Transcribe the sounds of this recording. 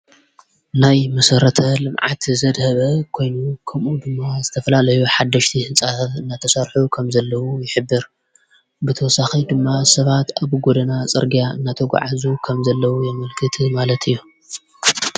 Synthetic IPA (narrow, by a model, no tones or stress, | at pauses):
najmɐsɐɾɐt̪ʰɐlɨmʕa̰t̪zɐd̪hɐβɐkʰo̞jnukʰɐmʔud̪ɨmːazɨt̪ʰɐfɐlalɐjuħad̪ːɐʃt̪ʰihɨnt͡sʼaɐtɨnːat̪ʰɐsɐɾħukʰɐmzɐlːɐwujɪħɨbːɨɾ | bɨt̪ʰɐwɔsaxid̪ɨmːasɐβat̪aβɡod̪ɐnat͡sʼɨ̰ɾɡijaɨnːat̪ʰɐɡʷa̰ʕazukʰɐmzɐlːɐwujɛmɐlkʰɨt̪ʰmalɐt̪ʰɨjːu